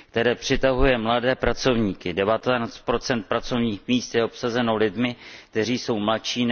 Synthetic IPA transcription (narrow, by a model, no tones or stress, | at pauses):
k̚t̪ɛɾɛːpr̝̥ɪt̪aɦujɛmladɛːpɾat͡so̞vɲiːkɪdɛvat̪ɛat͡st̪̚pɾo̞t͡sɛnt̪̚pɾat͡so̞vɲiːxmiːst̪jɛʔo̞psazɛno̞lɪdmɪkt̪ɛriːso̞wmlatʃiːn